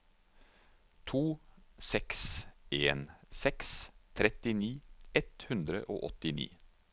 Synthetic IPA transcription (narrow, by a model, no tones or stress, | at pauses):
t̪ʰuːsɛksʔeːnsɛkst̪ʰɾɛt̪ɪniːɛt̪hʉnd̪ɾə̰ʔo̰ːʔɔt̪ɪnḭː